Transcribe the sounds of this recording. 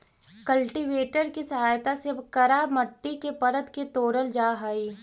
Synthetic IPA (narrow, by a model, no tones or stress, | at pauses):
kɐlʈiʋeːʈəɾkisɐɦaːjt̪asɪbkɐɾaːmɐʈːikepɐɾət̪ket̪oːɾəld͡ʒaːɦaiː